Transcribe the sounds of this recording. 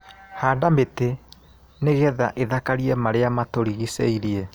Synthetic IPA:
haːdamete | neɣɛða̰ʔeðakaɾiɛmaɾeamatoɾiɣisḛiɾie

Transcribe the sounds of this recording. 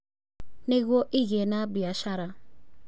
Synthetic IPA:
niɣʷoʔiɣenabiaʃaɾa

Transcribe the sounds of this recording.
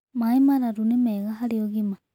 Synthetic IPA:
maimaɾaɾunimeɣaɦalioɣima

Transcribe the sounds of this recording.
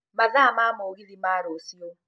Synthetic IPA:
mazaamamoɣilimaːɾosio

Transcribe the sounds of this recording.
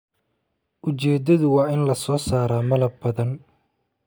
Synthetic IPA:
ʔʊt͡ʃɛːd̪ɐðʊwɑːɪnlɐsɔːsaːɾaːmɐlɐb̚bɐðɐn

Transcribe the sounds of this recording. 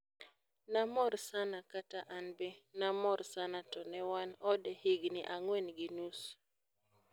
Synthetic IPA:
namɔɾsanakataʔanbɛnamɔrsanatɔnɛwanɔdɛhiɡnɪʔaŋwenɡɪnus

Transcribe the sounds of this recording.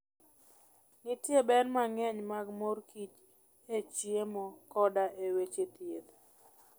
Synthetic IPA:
nɪtjebɛnmaŋɛɲmaɡmorkit͡ʃ | et͡ʃiemɔkɔdaʔewet͡ʃet̪jed̪

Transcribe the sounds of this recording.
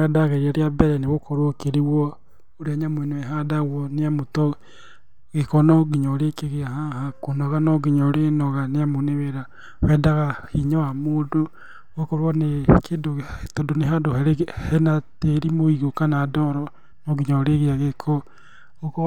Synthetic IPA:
ɛdaɣeɾiaɾeabɛɾɛneɣokʰɔɾwokeɾiwɔ | oɾaɲamweneɛɦadaɣwɔneamotɔ | ɣekɔnɔɡiɲɔɾekeɣeaɦaɦakonɔɣanɔɡiɲɔɾenɔɣaneamoneβeɾa | wɛdaɣahiɲɔwamoːdo | ɣokɔɾwɔnekʰeːdoetɔdoneɦadoɦɛɾhɛnateɾimoiɣokanadɔɾɔ | noɡiɲɔɾeɣeaɣekʰɔ | ok

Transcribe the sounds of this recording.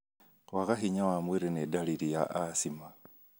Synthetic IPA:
kwaɣaxiɲawamwiɾenedalilijaʔasima

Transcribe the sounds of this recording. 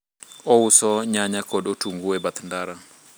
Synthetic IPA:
ɔusɔɲaɲakɔɗotuŋɡuɛbat̪ndaɾa

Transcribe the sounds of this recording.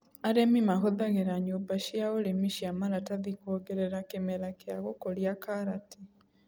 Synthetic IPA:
aɾemimaɦoðaɣeɾaɲobaʃjaoɾemiʃiamaɾataðikoɣɛɾɛɾakemɛɾakeaɣokoɾiakaɾati

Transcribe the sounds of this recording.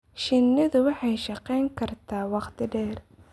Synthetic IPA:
ʃɪnːɪðʊwɑħɑjʃɑqɛjŋkʰɐrt̪ʰaːwɑqt̪ʰɪɖɛːr

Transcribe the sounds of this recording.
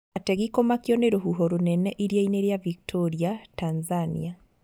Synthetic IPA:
atɛɣikomakjɔneɾoɦuɦɔɾonɛnɛʔiɾjaineɾjaviktʰoɾiatanzanḭa

